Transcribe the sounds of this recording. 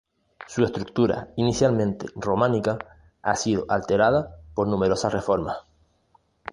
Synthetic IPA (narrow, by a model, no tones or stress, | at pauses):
sue̞st̪ɾuk̚t̪uɾa̰iniθjalmẽ̞nt̪e̞̰ro̞mãnika | a̰siðo̞̰ʔalt̪e̞ɾaðapo̞ɾnũme̞ɾo̞sasrefo̞ɾmas